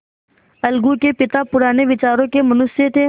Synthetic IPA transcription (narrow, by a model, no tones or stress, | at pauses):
ɐlɡũkepɪt̪apʊɾaːneʋɪt͡ʃaːɾõkemɐnʊset̪ʰe